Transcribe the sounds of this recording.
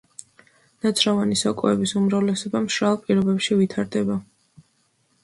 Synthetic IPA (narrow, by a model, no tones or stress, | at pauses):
nat̪sʰɾavanisɔkʼɔɛbisumɾavlɛsɔbamʃɾalˠpʼiɾɔbɛpʃivit̪ʰaɾd̪ɛba